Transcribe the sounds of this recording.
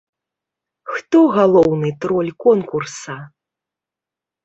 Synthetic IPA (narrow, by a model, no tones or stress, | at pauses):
xt̪ɔɣalˠɔwnɨt̪ɾɔlʲkɔnkursɐ